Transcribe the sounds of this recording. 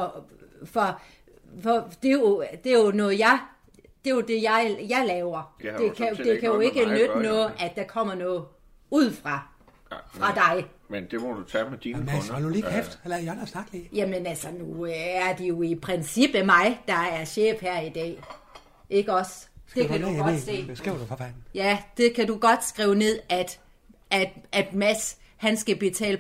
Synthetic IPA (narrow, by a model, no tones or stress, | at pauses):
ɒfɒ̽ | fɒd̥e̝jo̝d̥e̝jo̝nɔ̽ːð̩ˠjɑɪ | d̥e̝jo̝d̥e̝jɑ̈ɪjɑ̈ɪlɛːʊɐ̥e̝kʰæod̥e̝kʰæjoe̝ɡ̥ənødənɔ̽ːð̩ˠʔæd̥d̥ɑ̈kʰɒ̽m̰ɐnɔːð̩ˠ | uð̞̰ˠfʁɑ̈ | fʁɑ̈d̥ɑ̈ɪ | mend̥emɔd̥ut͡sʰɛmed̥imæɑd̥uliːkʰefd̥lɐjɑnɐsnɑ̈ɡ̥d̥liːjæmənælsənuøæɐd̥ijo̝ipʰʁɛnsib̥əmɑ̈ɪd̥ɑ̈æɐɕḛːfhæɐ̰id̥ɛ̰ː | ʔe̝ɡ̥əɒ̽sd̥e̝æ̥se̝̰̥ːsɡ̥ʁeʊ̰ɐd̥ufɒfæd̥n̩jæd̥e̝kʰæd̥uɡ̥ɒ̽d̥sɡ̥ʁiʊne̝ð̰ˠæd̥ | æd̥æd̥mæshænsɡ̥æb̥et͡sʰɛ̰ːl